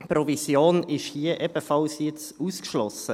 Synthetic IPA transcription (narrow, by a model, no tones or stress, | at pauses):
pɾɔvisjoːnɪʃhiəʔɛb̥əfɑlsjɪt͡s | uːskʃlɔsə